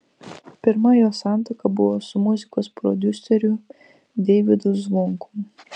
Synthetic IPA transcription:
pʲɪɾmɐjoːsɑˑnt̪okɐbʊʋoːsʊmʊzʲɪkoːspɾɔ̰d̪ʲʊsʲɛɾʲʊ | d̪ʲɛʋʲɪd̪ʊzʋʊŋkʊ̥

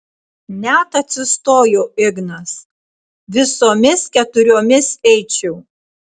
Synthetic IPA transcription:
nʲæt̪ɐt̪ʲsʲɪst̪oːjoːɪɡnɐs | ʋʲɪsoːmʲɪskʲɛt̪ʊɾʲoːmʲɪsɛɪt͡ʃʲɛʊ

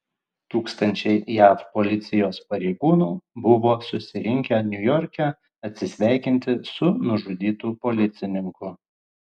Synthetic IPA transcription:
t̪uːkst̪ɐnʲt͡ʃʲɛɪjæːfpolʲɪt̪sʲɪjoːspɐɾʲɛɪɡuːnuːbʊʋoːsʊsʲɪɾʲɪŋʲkʲɛnʲʊjɔɾʲkʲɛ | ɐt̪ʲsʲɪsʲʋʲæˑɪkʲɪnʲt̪ʲɪsʊnʊʒʊd̪ʲiːt̪uːpoːlʲɪt̪sʲɪnʲɪŋkʊ

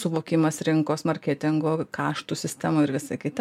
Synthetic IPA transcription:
sʊʋoːkʲɪmɐssɾʲɪŋkoːsmɐɾʲkʲeːt̪ʲɪŋɡoːkɑːʃt̪uːsʲɪsʲt̪ʲæmʊɪɾʋʲɪsɐkʲɪt̪ʲɐ

